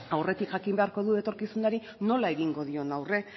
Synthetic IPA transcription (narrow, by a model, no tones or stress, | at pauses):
awre̞t̪ikʝakimbe̞aɾko̞ðue̞t̪o̞ɾkisunaɾi | no̞lae̞ɣiŋɡo̞ð̞io̞nawre̞